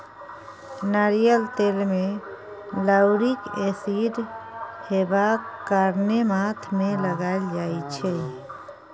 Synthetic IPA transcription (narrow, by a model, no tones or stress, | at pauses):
nəɾijəlt̪elme | ləwɾikesiɖhebakəɾnemat̪ʰmeləɡald͡ʒait͡ʃʰɛ